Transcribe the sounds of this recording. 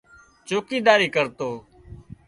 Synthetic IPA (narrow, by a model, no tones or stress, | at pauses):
t͡ʃoːkiːd̪aːɾiːkəɾt̪oː